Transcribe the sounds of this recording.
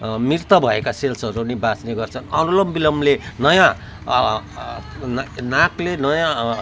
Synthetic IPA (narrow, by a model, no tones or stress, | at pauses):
mirt̪ʌbʱʌekaselsʌɾunibasneɡʌrt͡sʰʌnʌnulʌmbilʌmlenʌjã | naklenʌjã